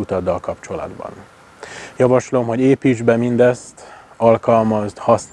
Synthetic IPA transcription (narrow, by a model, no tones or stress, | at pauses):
ut̪ɒd̪ːɒlkɒpt͡ʃo̞lɒ̰d̪bɒ̰n | jɒvɒʃlo̞mɦo̞ɟeːpiːd͡ʒbɛmind̪ɛst̪ | ɒlkɒlmɒzd̪hɒs